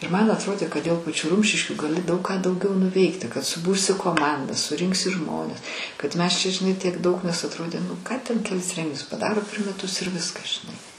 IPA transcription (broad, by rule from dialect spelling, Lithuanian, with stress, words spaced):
ɪr mɐn ɐtˈroːdʲeː kɐt dʲeːlˠ pɐˈt͡ʃʲuː ˈrʊmʲʃʲɪʃʲkʲuː ɡɐˈlʲɪ dɐʊk kɑː dɐʊˈɡʲɛʊ nʊˈʋʲɛɪktʲɪ kɐt sʊˈbʊrʲsʲɪ koːˈmɐndɑː sʊˈrʲɪŋksʲɪ ˈʒmoːnʲɛs kɐt ˈmʲɛs t͡ʃʲɛ ʒʲɪˈnɐɪ tʲiɛk ˈdɐʊk nʲɛs ɐtˈroːdʲeː nʊ ˈkɑː tʲɛn kʲɛˈlʲɪs ˈrʲɛŋʲɡʲɪnʲʊs pɐˈdɑːroː pʲɛr mʲɛˈtʊs ɪr ˈʋʲɪskɐs ʒʲɪˈnɐɪ